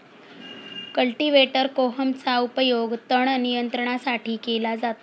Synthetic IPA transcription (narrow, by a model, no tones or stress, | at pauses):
kəlʈiʋeʈəɾkoɦəmt͡saupəjoɡt̪əɳnijənt̪ɾəɳ̃asaʈʰiːkelad͡zat̪a